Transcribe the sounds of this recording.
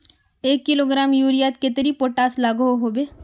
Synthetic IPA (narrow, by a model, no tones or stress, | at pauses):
eːkːɪloːɡɾaːmjuːɾijaːt̪̚ket̪əɾipoːʈaːslaːɡoɦoɦoːbeː